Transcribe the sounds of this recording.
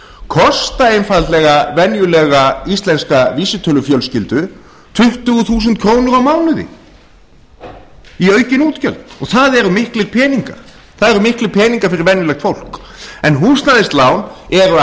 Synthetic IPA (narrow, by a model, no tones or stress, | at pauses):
kʰɔst̪aejnfallɛɣavɛnjʏlɛɣaist̪lɛnskaviːsɪt̪ʰœlʏfjœlscɪlt̪ʏ | t̪ʰʏht̪ʏɣʏθuːs̬ʏnt̪kʰɾoːwnʏɾawmaːwnʏðɪ̰ | iœːɥcɪnuːt̪cœlt̪ɔɣθaðɛɾʏmɪhklɪɾpʰɛːniŋka̰ɾ̥ | θaðɛɾʏmɪhklɪpʰɛːniŋkaɾfɪɾɪɾvɛnjʏlɛxt̪fowl̥k | ɛnɦuːst̪naðɪst̪laːwnɛɾʏ